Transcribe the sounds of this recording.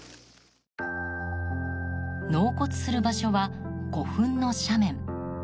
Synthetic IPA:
no̞ːko̞t͡sɨ̥sɨɾɯ̟baɕo̞βako̞ɸɯ̟̃nno̞ɕamẽ̞ŋ

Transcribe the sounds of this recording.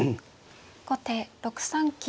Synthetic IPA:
ɡot̪eɾokɯ̟̥sãŋkʲi

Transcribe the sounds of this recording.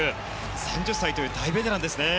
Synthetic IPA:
ɯ | sãɲ̟d͡ʑɨsːait̪ojɯ̟d̪aibed̪enãnd̪e̞sɨne

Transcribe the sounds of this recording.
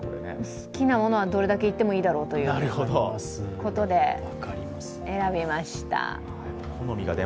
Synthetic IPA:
koɾenḛsɨ̥kʲinamo̞no̞β̞ad̪o̞ɾe̞d̪ake̞it̪ːe̞moiːd̪aɾo̞ːt̪o̞jɯnaɾɯ̟hod̪o̰sko̞t̪o̞d̪e̞βakaɾʲimasɨ̥eɾabʲimaɕi̥t̪a̰ | kʰono̞mʲiɡa̰d̪e

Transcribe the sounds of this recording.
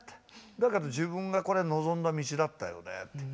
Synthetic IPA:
d̪aked̪od͡ʑɨbɯ̟̃ŋɡako̞ɾe̞no̞zõ̞nd̪amʲit͡ɕid̪at̪ːa̰jo̞̰nḛt̪ːe

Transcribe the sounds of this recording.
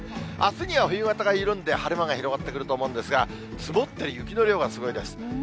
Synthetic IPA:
asɨɲ̟iβaɸɯ̟jɯɡat̪aɡaɯɾɯ̟̃nd̪e̞haɾɯ̟maŋaçiɾo̞ɡat̪ːe̞kɯɾɯ̟t̪oːmo̞ɯ̃nd̪e̞sɨɡa | sɨmot̪ːeɾʲijɯkʲino̞ɾʲo̞ːɡasɨɡo̞id̪e̞sɨ̥

